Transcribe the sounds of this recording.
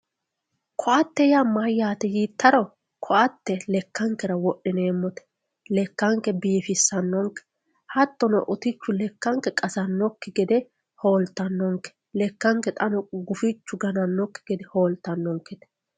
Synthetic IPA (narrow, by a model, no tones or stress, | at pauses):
kʰɔʔɐt̪ːɛjamɐjːaːt̪ɛjit̪ːɐɾɔ | kʰɔʔɐt̪ːɛlɛkːɐŋkːɛɾɐwɔʔːɪneːmːɔt̪ɛ̥ | lɛkːɐŋkɛbiːfɪsːɐnːɔŋkɛ̥ | hɐt̪ːɔnɔ̰ʔʊt̪ɪt͡ʃːʊlɛkːɐŋkːɛkʼɐsɐnːɔkːɪɡɛd̪ɛ | hoːlt̪ːɐnːɔŋkːɛ̥ | lɛkːɐŋkːɛt̪ʼɐnɔɡʊfɪt͡ʃːʊɡɐnɐnːɔkːɪ̥ɡɛd̪ɛhoːlt̪ːɐnːɔŋkːɛt̪ɛ̥